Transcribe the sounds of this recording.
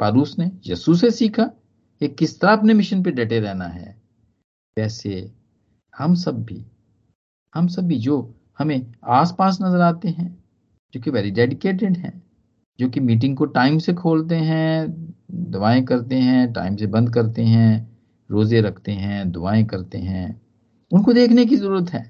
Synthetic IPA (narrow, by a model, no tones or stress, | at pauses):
paːɾuːsnejɐ̰sus̬esiːkʰa | eːkːɪst̪ɐɾaɐpnemɪʃənp̬eɖɛːʈeɾɛɦna̰ɦɛ̰ː | ʋɛːse | hɐmsɐbːḭ | hɐmsɐbːid͡ʒoː | hɐmẽaːspaːs̬nɐzəɾaːt̪eɦɛ̃ː | d͡ʒd͡ʒoːkiʋɛːɾiɖɛːɖɪkeːʈ̬ɪɖɦɛ̰̃ː | d͡ʒoːkimiːʈ̬ɪ̃ŋɡ̚koʈaːɪmsekʰoːlt̪eɦɛ̃ | d̪ʊʋaːẽkɐɾt̪eɦɛ̃ʈa̰ːɪmsebɐ̃nd̪̚kɐɾt̪eɦɛ̃ː | ɾoːzeɾɐkʰt̪eɦɛ̃ːd̪ʊʋaːẽkɐɾt̪eɦɛ̰̃ː | ʊnkod̪eːkʰnek̬izɐɾuːɾət̪ɦɛː